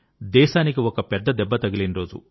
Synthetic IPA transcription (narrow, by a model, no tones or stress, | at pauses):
d̪ɛːʃaːnik̬iɔkɐpɛd̪ːɐd̪ɛbːɐt̪ɐɡɐlinɾo̞ːd͡ʒṵ